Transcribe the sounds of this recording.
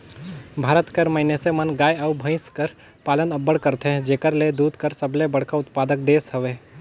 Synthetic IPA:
bʱaːɾət̪kəɾmɐɦɪnesemɐnɡaːjaʊbʱə̃ɪ̃skɐɾ | paːlənɐbːəɽkɐɾt̪ɦẽd͡ʒeːkəɾled̪uːd̪ʱkəɾsəblebɐɽ̤kaʊt̪paːd̪ək̚d̪eːsɦɐʋeː

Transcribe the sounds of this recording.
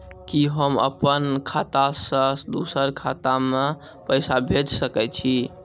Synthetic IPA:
kiɦəmə̰pənkʰat̪asəsd̪usəɾkʰat̪ame | pəɪsabʱed͡ʒsəkɛt͡ʃʰi

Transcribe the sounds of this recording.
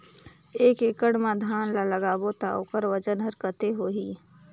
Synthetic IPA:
eːkekəɽmãd̪ʱaːnlaləɡaːbot̪ao̰kəɾwəd͡ʒənɦɐɾkət̪eɦoːɦiː

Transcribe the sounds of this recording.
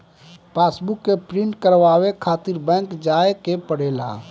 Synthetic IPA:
paːsbukːepɾɪ̃ɳʈkəɾʋaːwekʰaːt̪ɪɾbɛ̃ːŋkd͡ʒaːekepəɽeːla̰

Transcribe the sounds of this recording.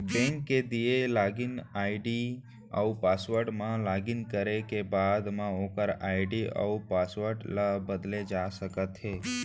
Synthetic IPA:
bɛ̃ŋkːed̪ielaːɡɪnaːɪɖi | a̰upaːsʋəɾɖmãlaːɡɪnkəɾekebaːd̪mãoːkəɾaːɪɖiə̰upaːsʋəɾɖlabəd̪led͡ʒasəkət̪ɦeː

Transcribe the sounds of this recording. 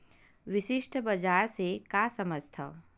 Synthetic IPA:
ʋɪʃɪʃʈbɐd͡ʒaːɾsekaːsəməd͡ʒʱt̪ʰa̰

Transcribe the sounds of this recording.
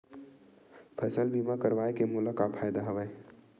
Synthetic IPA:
pʰɐsəlbiːmakɐɾʋaːekemʊlakapʰaːjd̪aɦɐʋə

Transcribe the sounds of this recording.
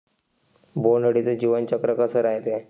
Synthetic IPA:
bonəɽit͡sed͡ʑiʋənt͡ɕəkɾəkəsəɾaɦjt̪e

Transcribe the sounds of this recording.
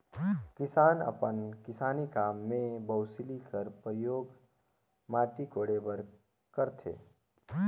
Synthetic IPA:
kɪsaːnə̰pənkɪsaːnikaːmːẽbəʊsilikəɾpɾəjoːɡ | maːʈikoːɽebəɾ | kəɾt̪ʰḛː

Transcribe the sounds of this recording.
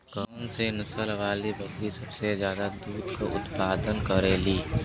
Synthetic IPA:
ɡɔːnsenɐsəlʋaːlibʱəɡɾisɐbsezjaːd̪ad̪uːd̪koʔʊ̰t̪paːd̪ənkəɾeːliː

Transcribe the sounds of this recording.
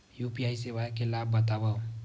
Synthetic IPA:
jupiajsebakelabːət̪abao

